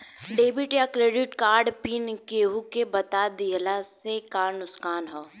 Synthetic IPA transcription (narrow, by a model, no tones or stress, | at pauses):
ɖeːbiʈjakɾeːɖɪʈkaːɾɖpiːnkeːɦukebɐt̪ad̪ilasekaːɾnʊskaːnɦoː